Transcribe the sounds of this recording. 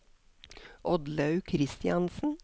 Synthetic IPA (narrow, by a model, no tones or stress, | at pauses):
ʔɔd̪lɑʉkʰɾɪst̪ɪɑnsn̩